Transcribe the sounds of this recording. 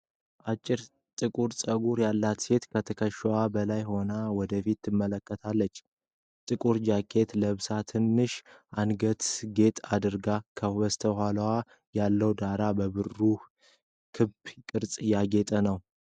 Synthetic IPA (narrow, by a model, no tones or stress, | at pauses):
ʔat͡ʃʼːɪɾ | t̪ʼɨkʼuɾsʼəɡuɾjalːat̪se̞t̪kʰət̪ʰəkʰəʃwabəlajho̞nawɔd̪əfit̪ːɨmːələkːət̪ʰalːət͡ʃː | t̪ʼɨkʼuɾd͡ʒakʰe̞t̪ləβsat̪ʰɨnːɨʃʔanɡət̪ɡe̞t̪ʼad̪ɨɾɡakʰəbəst̪ʰəhʷalwa | jalːəwd̪aɾabəβɨrːu | kʰɨbkʼɨɾt͡sʼjaɡe̞t̪ʼənəw